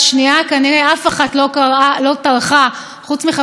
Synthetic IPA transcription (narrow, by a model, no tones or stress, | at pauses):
ʃniakaneʁeafaχatlokaʁalo̞talχa | χut͡smiχa